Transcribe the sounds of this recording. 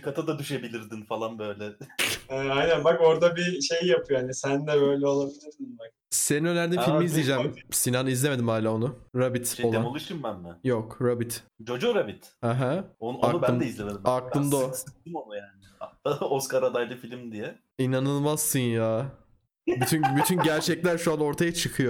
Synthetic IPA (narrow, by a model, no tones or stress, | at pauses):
kʰat̪ʰad̪ad̪yʃebilʲiɾd̪infalˠanbø̞jlʲɛɛːajnænbako̞ɾd̪abiʃe̞jjapʰɯjoanisænd̪ɛbø̞jlʲɛo̞lˠabilʲiɾsinbak̚ | seninønʲæɾd̪iffilʲmizlʲijd͡ʒæmsinanɯizlʲe̞me̞d̪imhaːlʲaːo̞nʊɾabit̪olanmolˠuʃɯmbænbɛnjokɾabit̪t͡ʃʰo̞d͡ʒuɾabit̪hɛɦæonanuæɛizlʲemed̪imaklˠɯmd̪oɯɯmomˠujaːnɪd̪aoskaɾad̪ajd̪ˠɯfilʲimd̪ijɛ | inanɯlˠmaz̥sɯnjaː | byt̪ʰynbyt̪ʰynɟæɾt͡ʃʰɛclʲæɾʃuano̞ɾt̪ʰajat͡ʃʰɯkʰɯjo